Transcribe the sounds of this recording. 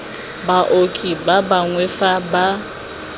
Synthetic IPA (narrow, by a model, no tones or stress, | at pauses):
baʔokʼibabaŋwɛfaba